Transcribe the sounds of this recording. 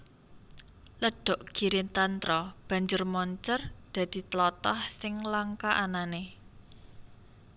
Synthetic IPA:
ləɖ̥ɔ̤ʔɡ̥i̤ɾɪnt̪ant̪ɾɔb̥a̤ɲd͡ʒʊrmɔɲt͡ʃərd̪̥ä̤d̪̥i̤t̪əlɔt̪ɔhsɪŋlaŋkaʔanane

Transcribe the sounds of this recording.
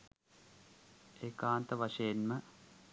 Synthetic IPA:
eːkaːnt̪əʋaʂɐjenmə

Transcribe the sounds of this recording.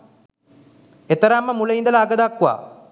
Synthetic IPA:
et̪ɐɾamːəmulɐind̪əlaaɡəd̪akːuʋa̰ː

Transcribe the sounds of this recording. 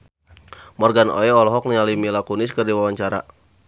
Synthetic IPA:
mɔrɡano̰ɛɔlɔɦɔk̚nialimilakunɪskərdiwawaɲt͡ʃaɾa̰

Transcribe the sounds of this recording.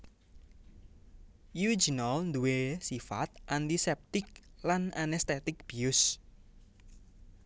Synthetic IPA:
juid͡ʒinalnd̪uwesifa̰t̪̚ʔant̪isɛp̚t̪ɪk̚lananɛst̪et̪ɪk̚b̥iʊs

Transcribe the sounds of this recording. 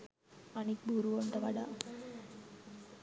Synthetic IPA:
anik̚bʱuɾuʋoɳʈəʋaɖaː

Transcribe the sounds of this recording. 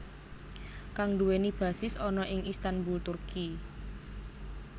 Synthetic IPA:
kaŋd̪uwenib̥ä̤sɪsɔnɔʔɪŋist̪anbult̪urki

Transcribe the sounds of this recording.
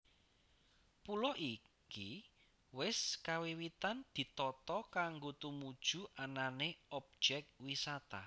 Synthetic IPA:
pulɔʔi | ki | wɪskawiwit̪and̪̥i̤t̪ɔt̪ɔkaŋɡot̪umud̥ʒ̥ṳʔananeɔp̚d͡ʒ̥ɛk̚t̪̚wisat̪a̰

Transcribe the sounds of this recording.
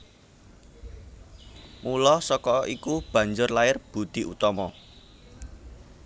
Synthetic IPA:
mulɔsɔkɔikub̥ä̤ɲd͡ʒʊrlaɪrb̥ṳd̪̥i̤ʔṵt̪ɔmɔ

